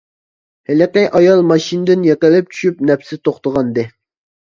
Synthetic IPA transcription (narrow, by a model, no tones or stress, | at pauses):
hɪlɪqɛʔɑjɑlˠmɑʃind̪ɪnjɛqɪlɪp̚t͡ʃʰy̥ʃyp̚nɛpsɪt̪ʰoχt̪əʁɑnd̪ɨ